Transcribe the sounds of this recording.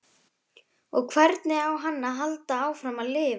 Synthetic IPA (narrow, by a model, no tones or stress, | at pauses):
ɔɣkʰvɛɾt̪nɪawɦanːaɦalt̪aaːwfɾamaðlɪːv